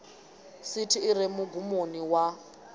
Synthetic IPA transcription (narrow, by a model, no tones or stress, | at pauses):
sitʰiːɾɛmuɡumoniwa